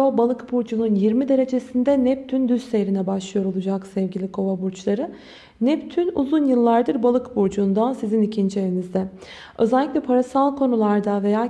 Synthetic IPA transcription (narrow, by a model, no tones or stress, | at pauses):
obalˠɯkbuɾd͡ʒununjiɾmid̪e̞ɾe̞d͡ʒe̞sind̪ɛnɛp̚t̪ʰynd̪yzsejɾinɛbaʃlˠɯjo̞ɾo̞lˠud͡ʒaksɛvɟilʲikʰo̞vabuɾt͡ʃlˠaɾɯ | nɛpt̪ʰynuzunjɯlˠːaɾd̪ɯɾbalˠɯkbuɾd͡ʒuːnd̪asizinicʰind͡ʒievinizd̪ɛ | ʔø̞̰zɛlʲːiclʲɛpʰaɾasalˠkʰo̞nulˠaɾd̪ave̞jaː